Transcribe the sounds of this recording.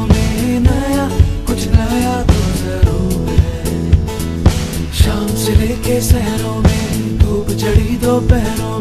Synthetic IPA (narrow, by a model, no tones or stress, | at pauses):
meːnɐjaːkʊt͡ʃʰnɐːjaːt̪ozəɾoː | ʃaːmsɪleːkesɛɦɾõːmẽː | ɡ̪ʱuːbt͡ʃəɽiːd̪oːpɛɦɾõː